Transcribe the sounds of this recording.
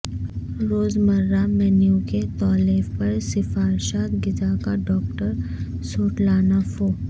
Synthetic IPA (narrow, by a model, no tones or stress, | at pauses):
ɾoːzmɐɾːamɛːnjuket̪ɔːleːfpɐɾsɪfaːɾʃaːt̪ɡɪd͡ʒakaɖɔːkʈəɾsoːʈlaːnafoː